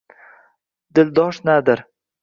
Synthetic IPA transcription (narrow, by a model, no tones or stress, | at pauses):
d̪̥ɪld̪ɒʃnad̪ɪɾ